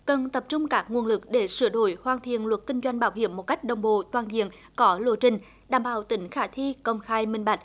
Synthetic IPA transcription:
kə˨˩nt̪ə˨˩p̚t͡ɕʊ˧ŋ͡mkaː˦˥k̚ŋu˨˩ənlɨ˨˩k̚ɗe˧˩sɨ˧˩əɗo̰˧˩jhwaː˨˧˩nt̪ʰḭ˧˨ənlwə˨˩t̚kï˧ŋ̟zwa˧jŋ̟ɓaː˨˦wɦḭ˧˨əmːo˨˩t̚ka˦˥jk̟̚ɗə˨˩wŋ͡mɓo̰˧˨t̪waː˨˩nzḭ˧˨ən | kɔ˨˦lo̰˧˩˦t͡ɕï˨˩ŋ̟ | ɗaː˧˩mɓaː˧˨˩wt̪ï˨˦ŋ̟xaː˧˩t̪ʰi˧kə˧wŋ͡mxaː˧jmï˧ŋɓa˨˩jk̚

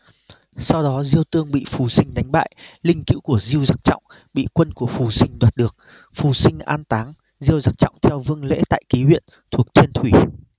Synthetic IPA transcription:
sa˧wɗɔ˨˦zi˧əwt̪ɨ˧əŋɓḭ˧˨fu˨˩sï˧ŋ̟ɗa˨˦jŋ̟ɓa̰ː˧˨jlï˧ŋ̟kḭ˧˥wku˧˩əzi˧əwza˦˥k̚t͡ɕɔ̰˧˨wŋ͡m | ɓḭ˧˨kwə˧nku˧˩əfu˨˩sï˧ŋ̟ɗwaː˨˩t̚ɗɨ˨˩ək̚ | fu˨˩sï˧ŋ̟ʔaː˧nt̪aː˨˦ŋ | zi˧əwza˦˥k̚t͡ɕɔ̰˧˨wŋ͡mt̪ʰɛ˧wvɨ˧əŋlḛ˧˥t̪a̰ː˧˨jki˨˦ɦwḭ˧˨ən | t̪ʰu˨˩ək̚t̪ʰi˧ənt̪ʰwi˧˩

